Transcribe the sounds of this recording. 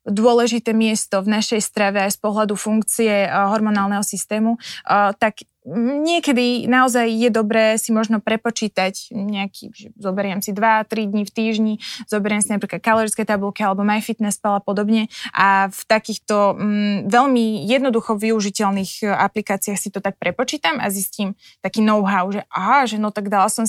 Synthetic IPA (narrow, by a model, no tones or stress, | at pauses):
d̪ʊɔlɛʒit̪ɛːmɪɛst̪ɔvnaʃɛjst̪ɾaʋɛajspɔɦlad̪ufuŋkt͡siɛɦɔɾmɔnaːlˠnɛɦɔsist̪ɛːmut̪aɡ | ɲɪɛkɛd̪inaɔzajjɛd̪ɔbɾɛːsimɔʒnɔpɾɛpɔt͡ʃiːt̪acɲɛakʰḭːʒɛzɔbɛɾɪɛmsid̪ʋat̪ɾid̪ɲift̪iːʒɲiz̥ɔbɛɾɪɛmsinapɾiːklat̪̚kalɔɾitskɛjt̪abulˠkialɛbɔmajfit̪nɛspalapɔd̪ɔbɲɛʔaft̪akiːxt̪ɔʋɛʎmijɛd̪nɔd̪uxɔʋiuʒicɛlniɣaplikaːt͡siaxsit̪ɔt̪ak̚pɾɛpɔt͡ʃiːt̪ama̰zisciːm | t̪akiːnɔʊɦaʊʒɛʔaɦaʒɛnɔt̪aɡd̪alasɔm